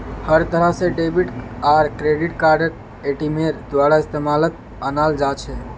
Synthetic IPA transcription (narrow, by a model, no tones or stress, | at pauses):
həɾt̪əɾəɦseɖebiʈaɾkɾeɖiʈkaɾɖək̚ | eʈimeɾd̪ʋaɽaɪst̪emalət̪̚ | ənald͡ʒat͡ʃʰɛ